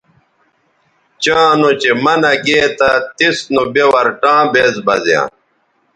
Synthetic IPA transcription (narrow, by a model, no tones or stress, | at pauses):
t͡ɕãːnot͡ɕemɐnɐɡeːt̪ɐt̪isnubewɐɾʈãːbeːzbɐzjã̰ː